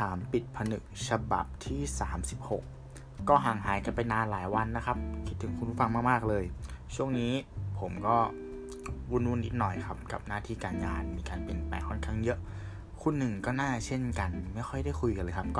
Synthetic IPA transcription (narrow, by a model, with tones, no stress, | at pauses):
t̪ʰaː˩˦mpi˨˩t̪̚pʰa˧nɯ˨˩k̚sʰa˧ba̰˨˩p̚t̪ʰiː˥˩saː˩˦msi˨˩p̚ho˨˩k̚ː | ɔː˥˩ɦaː˨˩ŋɦaː˩˦jka˧npa˧jnaː˧nlaː˩˦jwa˧nːa˦˥kʰa˦˥p̚kʰi˦˥t̪ʰːɯ˨˩˦ŋkʰu˧npʰu˦˥˩fa˧ŋmaː˥˩kmaː˥˩k̚lɤː˧jt͡ɕʰu˥˩əŋniː˦˥pʰo˩˦mkɔː˥˩ | wu˧˥˩nwu˧˥˩nʔi˦˥t̪̚nɔ˨˩jkʰa˦˥p̚ka̰˨˩p̚naː˥˩t̪ʰiː˧˩kaː˧nŋaː˧nmiː˧kaː˧npe˧npɛ̰ː˨˩kʰɔ˥˩nkʰaː˥˩ŋjɤ˦˥ʔ | kʰu˧nːɯ˨˩ŋkɔː˥˩naː˥˩t͡ɕʰe˥˩nka˧nma˥˩jxʰɔ˥˩jda˥˩jkʰu˧jka˧nlɤː˧jkʰa˦˥p̚kɔː˥˩